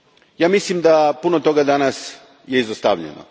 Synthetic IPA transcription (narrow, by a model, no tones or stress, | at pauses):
jaːmislimd̪apunot̪o̞ɡad̪anas | jeizost̪a̰ʋʎḛno̰